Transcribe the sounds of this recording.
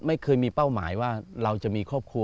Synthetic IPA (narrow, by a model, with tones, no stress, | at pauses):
ma˥˩jkʰɤː˧jmiː˧pa˥˩wma̰ː˩˦jwaː˥˩ɾa˧wt͡ɕa˨˩ʔmiː˧kʰɔ˥˩p̚kʰɾu˧